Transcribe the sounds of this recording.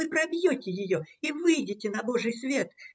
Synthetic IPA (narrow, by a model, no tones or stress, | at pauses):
ɨpɾɐbʲjo̞tʲɪjɪjo̞ivɨjdʲɪtʲɪnɐboʐɨjsvʲe̞t̪